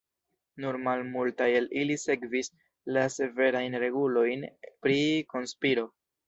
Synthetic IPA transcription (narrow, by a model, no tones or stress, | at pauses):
nuɾmalmultajelilise̞kvis | lase̞ve̞ɾajnɾe̞ɡulo̞jnpɾiko̞nspiɾo̞